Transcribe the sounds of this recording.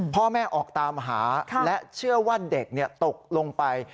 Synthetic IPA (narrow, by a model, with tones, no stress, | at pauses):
pʰɔː˥˩mɛː˥˩ʔɔː˨˩k̚t̪aː˧mɦaː˩˦lɛ˦˥t͡ɕʰɯ˥˩ɐwaː˥˩de˨˩k̚ni˥˩ɐt̪o˨˩k̚lo˧ŋpa˧j